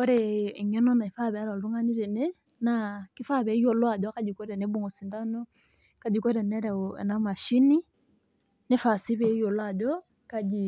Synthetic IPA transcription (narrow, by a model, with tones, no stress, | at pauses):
kɔ˦ɾɛ˨ŋɛ˦nɔ˦na˨i˨fa˦βɛ˨a˦ɾɔ˨lu˦ŋa˦ni˦ɾɛ˨nɛ˦ | naki˦fa˦βɛ˨˦jɔ˨lwa˨d͡ʒɔ˦ka˦d͡ʒi˨kɔ˦ɾɛ˨nɛ˦bo˦ŋɡɔ˨si˨nda˦nɔ˦ | ka˨d͡ʒi˨kɔ˦ɾɛ˨nɛ˦ɾa̰˨na˨ma˨ʃi˦ni˦ | ne˦fa˨si˦βɛ˨˦jɔ˨lwa˨d͡ʒɔ˦ | ka˦d͡ʒi˨